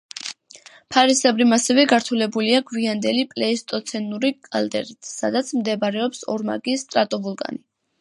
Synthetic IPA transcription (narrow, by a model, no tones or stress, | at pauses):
pʰaɾisɛbɾimasɛvɛɡaɾt̪ʰulɛbuliaɡwiand̪ɛlipʼlɛist̪ʼɔt̪sʰɛnuɾikʼald̪ɛ̰ɾit̪ʰsa̰d̪at̪sʰmd̪ɛbaɾɛɔpsɔ̰ɾma̰ɡist̪ʼɾat̪ʼɔvulˠkʼa̰ni